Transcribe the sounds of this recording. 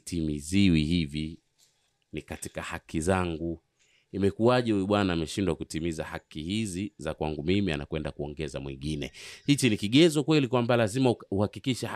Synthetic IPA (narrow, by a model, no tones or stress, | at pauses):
timiziwihivi | nikati̥kahakʰizaŋɡu | imɛkuaʄɛhuuɓwanaːmɛʃindwakutimizahakihizizakwaŋɡumimia̰na̰kwɛndakuɔŋɡɛzamwḭŋɡinɛ̰hit͡ʃinikiɠɛzɔkwɛlikwambalazimauhakikiʃɛ